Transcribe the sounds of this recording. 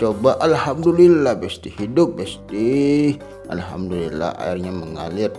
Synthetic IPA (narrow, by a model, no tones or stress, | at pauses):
t͡ʃobaʔalhamdulilːahbɛst̪ihidʊp̚bɛst̪ih | a̰lɦa̰mdulḭla̰a̰irɲaməŋa̰lɪr